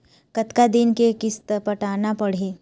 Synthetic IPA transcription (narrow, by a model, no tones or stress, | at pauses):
kət̪kad̪ɪnkekɪst̪pɐʈaːnapɐɽ̤eː